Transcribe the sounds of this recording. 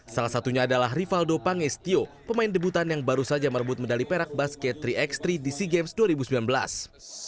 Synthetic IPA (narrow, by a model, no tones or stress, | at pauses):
salahsat̪uɲaːdalaɦrifaldopaŋɪst̪iopəmaɪndəbut̪anjaŋbaɾusad͡ʒamərbʊt̪̚məndalipeɾak̚baskɛt̪ːɾiʔɛkst̪ɾidisiɡemsduaɾibusəmilanbəla̰s